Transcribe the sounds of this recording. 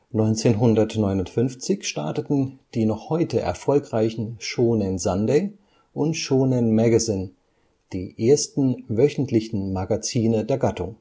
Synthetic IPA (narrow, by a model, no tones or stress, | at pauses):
nɔʏnt͡seːnɦʊndɐtnɔʏnʊntfʏnft͡sɪçʃtaɐtətn̩d̥iːnɔχhɔʏtʰəʔɛ̰ɐfɔlkʁ̥aɪçn̩ʃoːnɪnzandeɪ | ʔʊntʃoːnənmɛɡazɪn | d̥iːʔeːɐstn̩vœçn̩tʰlɪçn̩maɡat͡siːnədeːɐɡatʊŋ